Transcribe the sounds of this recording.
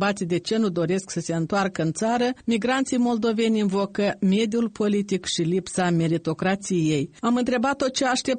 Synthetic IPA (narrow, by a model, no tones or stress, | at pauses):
bat̪sijd̪e̞t͡ʃe̞nud̪o̞ɾe̞sksəse̞ɨnt̪oarkəɨnt̪saɾəmiɡɾant̪sijmo̞ld̪o̞ve̞nʲinvo̞kəme̞d̪ijulpʰo̞lit̪ikʃilipsame̞ɾit̪o̞kɾat̪sije̞jamɨnt̪ɾe̞bat̪ːo̞t̪̚t͡ʃe̞aʃt̪e̞p̚